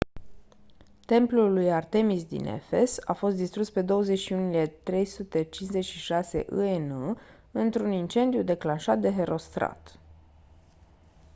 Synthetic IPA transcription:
t̪e̞mplulujart̪e̞misd̪ḭnḛfe̞sa̰fo̞st̪̚d̪ist̪ɾuspe̞d̪o̞wəze̞ʃiunile̞t̪ɾe̞jsut̪e̞t͡ʃinze̞t͡ʃʃiʃase̞̰ʔɨ̰enu | ɨnt̪ɾunint͡ʃe̞nd̪ijud̪e̞klanʃat̪̚d̪e̞ɦe̞ɾo̞st̪ɾa̰t̪

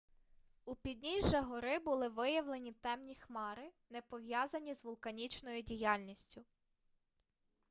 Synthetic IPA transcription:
upʲid̪ʲnʲiʒɐɦɔɾɪbʊlˠɪʋɪjɐwlˠenʲit̪ɛmnʲixmɑɾɪnɛpɔʋjɑzɐnʲizʋʊlˠkɐnʲit͡ʃnɔjʊdʲijɑlʲnʲisʲtʲʊ

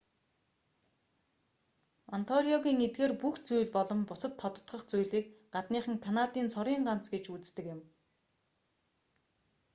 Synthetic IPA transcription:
ɔnt̪ʰɔɾiɔɣʲiːŋet̪̚ɡeːrpuxt͡sujɮpɔɮɞ̆mpʊsə̆t̪ʰːɔt̪ə̆t̪χə̆χt͡sujɮiːk̚ɢat̪niːχə̆ŋkʰanat̪iːnt͡sʰɔɾiːɴɢant͡sɡet͡ɕut͡st̪ɘ̆kjɪ̆m

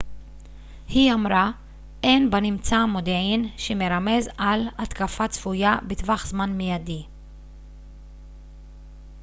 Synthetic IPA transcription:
hiamɾa | ʔenbanimt͡samod̪eʕinʃemeɾame̞zalat̪kafat͡sfujabet̪vaχzmanmejad̪i

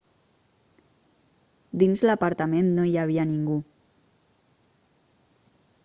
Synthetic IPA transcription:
d̪inzlapaɾt̪amennoiaβ̞ianiŋɡu

